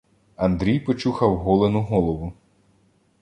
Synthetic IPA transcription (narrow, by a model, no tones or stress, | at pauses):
ɐnd̪ɾʲijpɔt͡ʃuxɐwɦɔlˠenʊɦɔlˠɔʋʊ